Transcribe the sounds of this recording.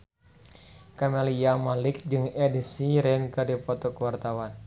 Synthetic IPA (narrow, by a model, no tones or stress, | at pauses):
kameliamalɪk̚d͡ʒɨŋedisiɾɛnkɨdipɔt̪ɔkəwart̪awan